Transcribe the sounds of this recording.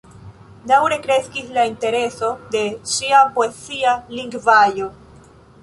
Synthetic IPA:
d̪awɾekɾeskislaint̪e̞ɾesod̪e̞siapoesialiŋɡvajo

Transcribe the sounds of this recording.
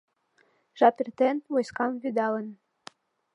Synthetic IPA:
ʒɑpʲirt̪enwojskɑmvyd̪ɑlə̆n

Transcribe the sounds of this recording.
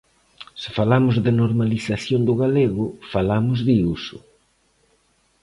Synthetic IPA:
sɪ̥falamʊzðɪnoɾmaliθaθjond̪ʊɣaleɣʊfalamʊzðiusʊ

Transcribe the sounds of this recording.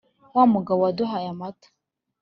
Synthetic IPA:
wamuɡawaduɦajamat

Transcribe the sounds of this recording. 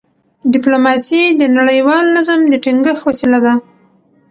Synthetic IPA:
ɖɪplomɑsid̪ənaɽəjwɑlnazamd̪əʈiŋɡəxwasilad̪a

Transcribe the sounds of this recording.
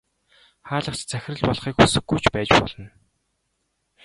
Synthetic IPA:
χaːɮə̆χt͡ɕt͡sʰæxʲɪ̆rɘ̆ɮpɔɮχiːkxusɘ̆ɡːujt͡ɕpæːt͡ɕpɔ̰ɮə̆n

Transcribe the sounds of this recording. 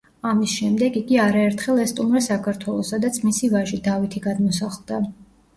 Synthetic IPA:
amisʃɛmd̪ɛɡiɡiaɾaɛɾt̪ʰχɛlˠɛst̪ʼumɾɛsakʰaɾt̪ʰwɛlˠɔsad̪at̪sʰmisivaʒid̪avit̪ʰiɡad̪mɔsaχlˠd̪a

